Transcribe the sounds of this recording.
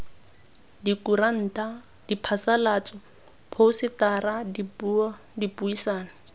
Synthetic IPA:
dikuɾan̩ːtʼa | d̥ipʰasalaːt͡sʼɔ | pʰoʊsɪtaradi | dipuisaːna

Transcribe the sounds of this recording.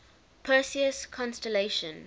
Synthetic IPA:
pʰɜːsiəskʰɔ̃nstɛleɪʃə̃n

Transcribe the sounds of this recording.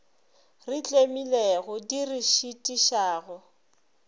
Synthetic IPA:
rɪt͡ɬʼemileɣʊdiriʃitʼiʃaːɣʊ

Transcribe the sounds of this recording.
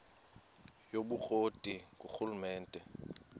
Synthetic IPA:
jobuk͡xʼotʼikʼuk͡xulumɛːn̩tʼɛ

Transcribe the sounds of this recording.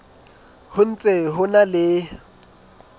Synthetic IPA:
hʊn̩t͡sʼeɦʊnalɪ

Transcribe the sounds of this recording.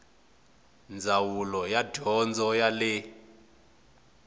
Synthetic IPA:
nd͡zʱawulɔjaɟʱɔnd͡zʱɔjalɛ

